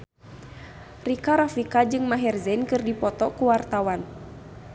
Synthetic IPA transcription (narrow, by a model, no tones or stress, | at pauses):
rikaɾafikad͡ʒɨŋmaɦɛrzɛnkɨrdipɔt̪ɔkuwart̪awan